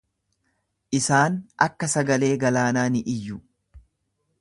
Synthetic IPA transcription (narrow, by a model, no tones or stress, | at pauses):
ʔɪsaːnɐkːɐsɐɡɐle̞ːɡɐlaːnaːnɪʔɪjːʊ